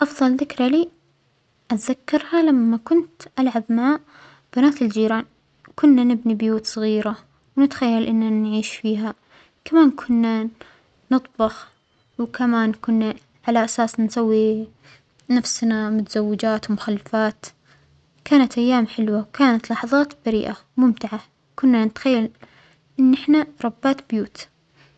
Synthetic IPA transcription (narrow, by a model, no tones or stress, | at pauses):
ʔɑfðˤɑlðɪkɾaliː | ʔat̪ðakːɑɾˤhalamːakʊnt̪ʔalʕabmaʕa | b̥anaːt̪ɪld͡ʒiːɾaːn | kʊnːanɪbnibjuːt̪sˤɣiːɾa | wnɪt̪xajːalʔɪnːanʕiːʃfiːɦa | kamaːnkʰʊnːa | nɨt̪ˤbɑx | wkʰamaːnkʊnːa | ʕalaʔasaːsnsawːi | nafsnamʊt̪az̥awːɪd͡ʒaːt̪wmʊxalːfaːt̪ | kaːnat̪ʔajːaːmħɪlwawkaːnat̪lɑħɑðˤɑːt̪baɾḭːʔamʊmt̪ɪʕa | kʊnːanɪt̪xajːal | ʔɪnːʔɪħnaɾˤɑbːaːt̪bjuːt̪